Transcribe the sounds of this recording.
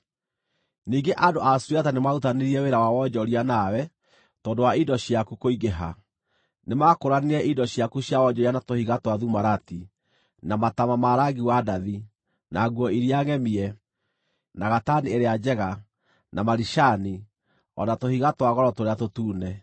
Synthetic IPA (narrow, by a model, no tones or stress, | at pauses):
niɡeʔadoʔasuɾiatanemautaneɾiɛweɾawawɔd͡ʒɔɾianawɛ | tɔːndowaidɔɕiakukoiɣeɦa̰ | nemakoɾaneɾɛʔidɔɕjakuɕjawɔd͡ʒɔɾianatohiɣatwaðumaɾati | namatamamaɾaɡiwadaði | naɡwɔiɾiaŋɛmiɛ | naɣatanieɾead͡ʑɛɣa | namaɾiʃani | ɔ̰natohiɣatwaɣɔɾɔtoɾeatotuːnɛ